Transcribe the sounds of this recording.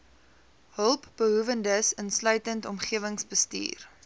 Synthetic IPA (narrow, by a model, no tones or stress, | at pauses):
ɦəlˠpb̥əɦuvəndəsənslœɥtəntɔmχiəvəŋsbəstḭːr